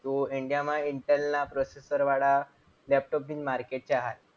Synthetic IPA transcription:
t̪oiɳɖijamaiɳʈelnapɾɔsesəɾʋaɽa | lɛp̚ʈɔp̚d̪iːnmaɾkeʈ̚t͡ɕeaɦat̪̚

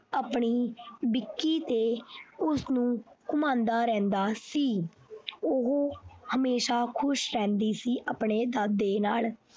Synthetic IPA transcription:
apɳiːbɪkːiːt̪eːʊsnũːkʊmãːnd̪aːɾɛ̃ːnd̪aːsiː | ʊɦohəmeːʃaːkʰʊʃɾɛ̃ːnd̪iːsiːʔəpɳeːd̪aːd̪ːeːnaːl

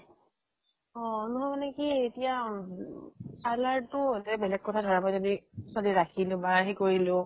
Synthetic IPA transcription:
ɔ̃nuɦɔmanɛkietija | alaɹtʊtɛbɛlɛɡ̚kɔtʰadʱɔɹamɔjzodiswaliɹakʰilʊ̃baɦikoɹilʊ̃

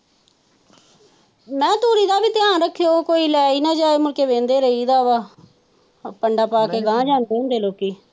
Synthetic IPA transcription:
mɛ̃ːt̪oːɾiːd̪aːbiːt̪ɪjãːnɾəkʰːejoːkoːiːlɛːiːnãːd͡ʒaːeːmʊlkeːʋẽːnd̪eːɾəiːd̪aːʋaː | pəɳɖaːpaːkeːɡãːd͡ʒaːnd̪eːɦʊnd̪eːloːkiː

